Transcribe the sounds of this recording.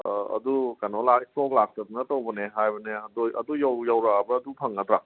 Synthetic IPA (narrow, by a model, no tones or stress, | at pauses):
ɐ̰dukanɔlatoklak̚ʰtɐdnɐtowbɐneɦajbɐneɐdojɐ̰dujawjawɾabɐːdupʰɐŋnatɾa